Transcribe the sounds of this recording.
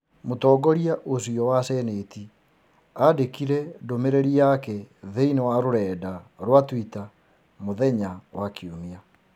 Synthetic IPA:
motɔːɡɔɾiaʔosiɔwasɛneːti | adekiɾɛdomeɾeɾiakɛðeinewaɾoɾɛːdaɾwatwita | moðɛɲawakiumia

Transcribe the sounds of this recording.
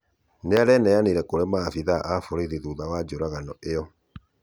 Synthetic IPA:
neaɾɛnɛjaneɾɛkoɾemafiðaʔafoɾeɾiðuðawad͡ʒoɾaɣanɔeɔ

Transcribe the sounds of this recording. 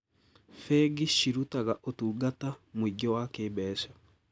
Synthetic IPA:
fɛɡiʃiɾutaɣaʔotuːɡatamwiɡɔwakeːbɛːʃa

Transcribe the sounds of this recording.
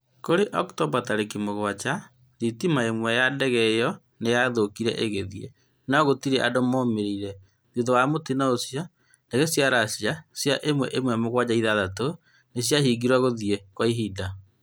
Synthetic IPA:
koɾeʔɔktɔbataɾekimoɣwat͡ʃa | ðitimaemwɛjadɛɣɛjɔ | nejaðokiɾɛ̰ʔeɣeðiḛ | naɣotiɾeʔadomoːmeɾiiɾɛ | ðuðowamotinaosja | ndeɣesjaɾasiasjaʔemwɛʔemwɛmoɣwad͡ʑaiðaðato | nesjaɦiːɡiɾwaɣoðiekwaiɦida

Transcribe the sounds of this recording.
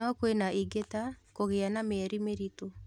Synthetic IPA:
ɔkwenaʔiɡetakoɣeanameːɾimeɾito

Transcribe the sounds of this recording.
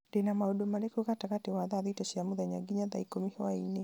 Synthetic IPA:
denamaodomaɾekuɣataɣatewaðaðitɔʃiamuðaɲa̰ɡiɲaða̰ikomihwaine

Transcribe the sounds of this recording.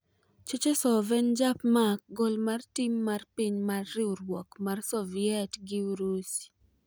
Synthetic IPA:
t͡ʃot͡ʃesɔvɛnd͡ʒapmaɡɔlmartimːarpiɲmarːɪoɾwɔkmarsɔviɛtɡiuɾus

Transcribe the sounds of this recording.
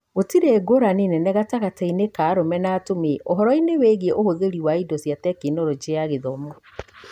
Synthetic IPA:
ɣotiɾeɡoɾanenɛnɛɣataɣatɛinekaːɾomɛnaːtomeʔoɦɔɾɔineweɣɛʔohoɣeɾiwaidɔsjatɛkenoɾod͡ʒeaɣeðɔmɔ

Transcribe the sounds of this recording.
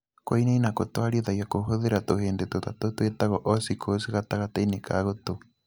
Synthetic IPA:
kwainainakotwaɾiɔðajakoɦoðeɾatoheːndetotatotwetaɣɔʔɔsikʰosiɣataɣatainekʰa̰ɣoto

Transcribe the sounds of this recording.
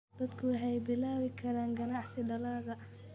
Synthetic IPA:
d̪̥ɐd̪kʰʊwɑħɛjbɪlaːwɪkʰɐɾaːŋɡɐnɑħsɪɖɐlaːɣɐ

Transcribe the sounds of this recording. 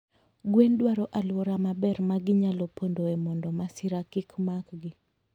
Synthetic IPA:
ɡwendwaɾɔʔalwoɾamabɛrmaɡɪɲalɔpondoɛmɔndɔmasɪɾakɪkmakɡɪ

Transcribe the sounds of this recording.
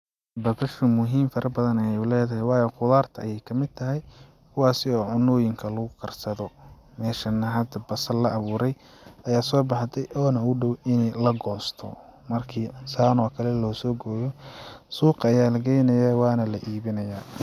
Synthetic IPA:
bɐbɐʃʊmʊɦiːmfɐɾʔɐbɐðɐnɐjɛjʊlɛːðɐɦɛjwɑːjɛqʊðaːrt̪ʰɐɐjɛjkʰɐmɪd̪̚t̪ʰɐɦɛj | kʰʊwɑːsɪɔːʕʊnːɔːjɪŋkʰɐlɐɣʊkʰɐrsɐðɔ | mɛːʃɐnɐɦɐd̪ɐbɐsɐlɐʔɐβuːɾɛj | ɐjaːsɔːbɑħd̪ʰɛjʔɔːnɐʊɖɔwɪnlɐɡɔːst̪ʰɔ̰mɐrkʰiːɪnsaːnɔːkʰɐlɛlɔːsɔːɡɔːjɔsuːqɑːjaːlɐɡɛjnɐjaːwɑːnɐlɐʔiːβɪnɐjaː

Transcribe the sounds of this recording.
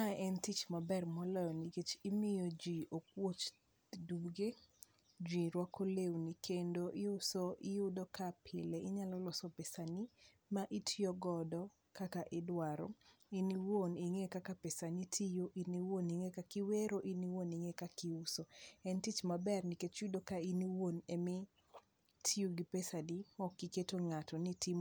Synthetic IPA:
aɛntit͡ʃmabɛrmɔlɛjɔniket͡ʃɪmɪjod͡ʒiʔok̚wot͡ʃ | duɡe | d͡ʒiɾwakolewnikʰendoʔɪʊsoʔɪjʊdɔkapʰɪleʔɪɲalɔlɔsɔpesani | maʔitʰjoɡɔdɔ | kakaʔɪdwaɾo̰ | iniwoniŋekakapesanitʰijoʔiniwoniŋekakiweɾoʔiniwoniŋekakiʊsoɛntit͡ʃmabɛrniket͡ʃudokainiwonemi | tʰijuɡipesadimɔkːiketoŋatɔnitim

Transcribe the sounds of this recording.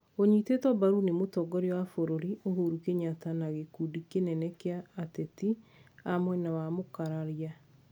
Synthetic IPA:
oɲitetwɔbaɾunemotɔɡɔɾewafoɾoɾioɦoɾukeɲatanaɣekudikenɛnɛkeaːtetiamwɛnawamokaɾaɾia

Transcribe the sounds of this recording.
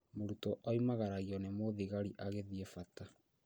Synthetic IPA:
moɾutɔʔɔimaɣaɾaɣiɔnemoðiɣaɾiʔaɣeðiɛfata

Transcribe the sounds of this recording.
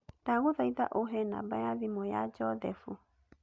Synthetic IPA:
d̥aɣoðaiða̰ʔoɦɛna̰bajaðimɔja̰d͡ʒɔðɛfu

